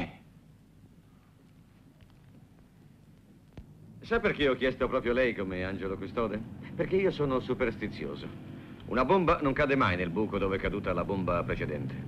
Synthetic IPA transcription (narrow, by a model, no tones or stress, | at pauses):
sapːerk̟eɔk̟ːjɛst̪opɾɔːpɾjolɛjkomeand͡ʒelokust̪ɔːd̪eperk̟eiːosɔːnosuperst̪it̪sːjo̰ːzo̰ṵnabombanoŋkad̪emajnelbuːkod̪oːvɛkːad̪uːt̪alabombapɾet͡ʃed̪ɛnt̪ʰe̥